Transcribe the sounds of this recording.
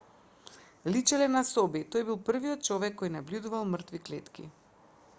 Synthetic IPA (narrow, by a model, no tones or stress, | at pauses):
lit͡ʃɛlɛnasɔbit̪ojbilˠpr̩viɔt̪̚t͡ʃɔvɛkːojnabljud̪uvalˠmr̩t̪viklɛt̪kḭ